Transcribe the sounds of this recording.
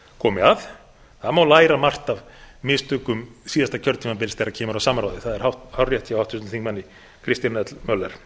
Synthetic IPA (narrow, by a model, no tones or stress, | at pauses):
kʰɔːmɪaθ | θaðmaːwlaːjɾamar̥t̪avmɪðst̪ʏːkʏmsiːðast̪acʰœɾt̪t̪ʰiːmap̬ɪlst̪ɛjɾacʰɛːmaɾawsaːmɾawðɪθaðɛɾ̥hawht̪hawrjɛht̪sjiawawht̪ʰːʏst̪θiŋkmanːɪ | kʰɾɪst̪janɛt̪lmœlːɛɾ̥